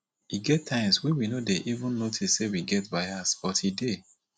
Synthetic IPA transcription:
iɡɛtʰːãɪ̃mswɛ̃winodeʔivũnːotʰissewiɡɛtbaɪasb̥ɔtide

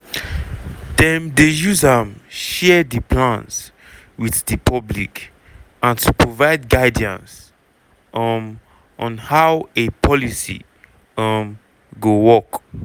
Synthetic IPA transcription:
dɛ̃mdejuzə̃mʃɛdipʰlãns | wiθdɨpʰɔblik | ãntʰupɹovaɪd̚ɡaɪdiã̰ns | ʔm | ʔɔ̃nhaʊwepʰɔlisḭ | ʌm | ɡowɔk

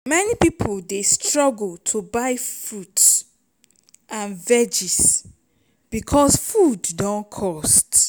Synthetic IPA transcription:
mɛnipipʰoldestɹɔɡltʰubaɪfɹuts | ʔãnvɛd͡ʒis | b̥ikʰɔsfuddɔ̃nkʰɔst

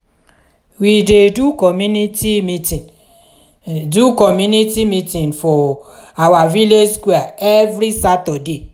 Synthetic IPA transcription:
widedukɔmunitimi | dukɔmjunitimitĩnfɔawavileskweaevɾisatɔde

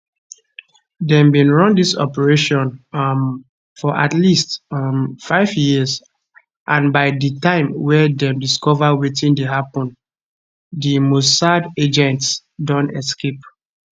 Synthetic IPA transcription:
dɛ̃mbĩnɹɔ̃ndisɔ̰pɛɹeʃɔ̃n | fɔʔatlist | faɪvjiz | ʔãnbaɪditãɪ̃mwɛdɛ̃mdiskɔvawetĩndeɦapɔ̃n | dimossaded͡ʒɛ̃nts | dɔ̃nɛskep

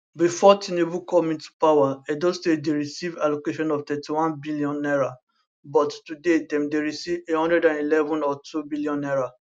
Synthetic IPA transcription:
bifɔtĩnebũkɔmĩntu̥pawaɛdɔstedeɹisivalokeʃɔ̃nɔftɛtiwãnbiliɔ̃nɛɹa | bɔttudedɛ̃mdeɹisivehɔ̃ndɹɛdãnilɛvɔ̃nɔtubiliɔ̃nɛɹa

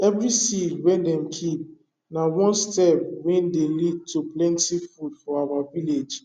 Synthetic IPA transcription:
ɛvɾisidwɛ̃ndɛ̃mkʰip̚ | nãwɔ̃nstɛp̚wɛ̃ndelid̚tʰuplɛ̃ntʰifudfɔawaviled͡ʒ

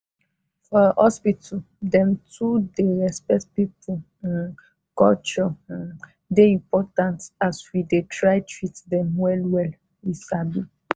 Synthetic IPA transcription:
fɔhɔspitʰɔ | dɛ̃mtudeɹɛspɛtpipu | n | kɔ̰lt͡ʃɔ̃ | deĩmpɔtãntaswidetʰɹajtɹitdɛ̃mwɛlwɛl | isabi

